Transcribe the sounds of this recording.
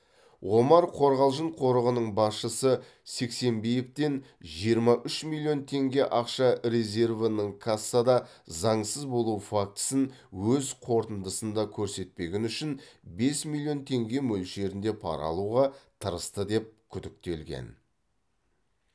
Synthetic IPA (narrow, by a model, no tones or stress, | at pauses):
ʁo̞mɑɾqʰo̞ɾʁɑlˠʒəɴqʰo̞ɾəʁənəɴbɑsʃəsə | se̞kse̞mbejep̚t̪e̞n | ʒijəɾmɑʔʏʃmʲilʲˠːijo̞nt̪ʰe̞ŋɡʲe̞ʔɑqʃɑɾe̞zʲe̞rvənəɴkʰasːɑd̪ɑzɑɴsəzbo̞lˠuwfak̚t̪ə̥sən | wɵzqʰo̞ɾt̪ənd̪əsənd̪ɑkʲʰɵɾse̞t̪̚pe̞ɡʲɪnʏʃɪnbe̞smilʲˠːjo̞nt̪ʰe̞ŋɡʲe̞mɵlʃe̞ɾɪnd̪e̞pʰɑ̰ɾɑ̰lˠuʁɑt̪ʰəɾəst̪əd̪e̞p̚kʲʰʏd̪ɪk̚t̪e̞lɡʲe̞̰n